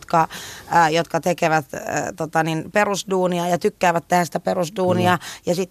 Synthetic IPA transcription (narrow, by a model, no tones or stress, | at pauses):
t̪kɑjot̪kɑt̪ekeʋæt̪t̪ot̪ɑninperusduːniɑjɑt̪ykːæːʋæt̪t̪ehænsĭ̥t̪æperusduːniɑjɑsit̪ː